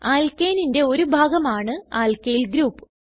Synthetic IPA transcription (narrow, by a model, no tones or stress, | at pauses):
aːlkeːninde̞o̞ɾubʱaːɡɐmaːɳɨaːlkejilɡɾuːpːɨ̥